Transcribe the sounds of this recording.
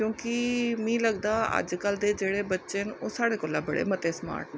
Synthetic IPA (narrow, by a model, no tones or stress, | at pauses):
kjõːkɪmĩːləɡd̪aːə̰d͡ʒkəld̪eːd͡ʒeːɽeːbətːʃenoːsaːɽeːkoːlãːbəɽḛːmət̪eːsma̰ːɾʈne